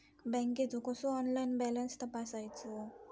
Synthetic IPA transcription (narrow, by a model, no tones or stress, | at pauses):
bɛŋked͡zukɔsuɔnlajnbɛlənst̪əpasajt͡so